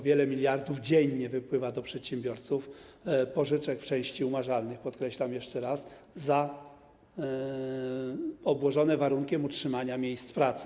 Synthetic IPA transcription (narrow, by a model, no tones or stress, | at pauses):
vʲjɛlɛmʲilʲjaɾd̪uvd͡ʑeɲɲɛvɘpwɘvad̪ɔpʂɛt̪ɕɛmbʲjɔɾt̪sufpɔʐɘt͡ʂɛkft͡ʂɛ̃w̃ɕt͡ɕiumaʐalnɘxpɔt̪kɾɛɕlamjɛʂt͡ʂɛɾas | za | ɔbwɔʐɔnɛvaɾuŋkʲɛmutʂɘmaɲamʲjejst̪pɾat̪sɘ